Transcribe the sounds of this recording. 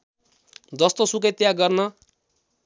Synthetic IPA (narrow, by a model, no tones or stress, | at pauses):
d͡zʌst̪osuk̬et̪jaɡʌrnʌ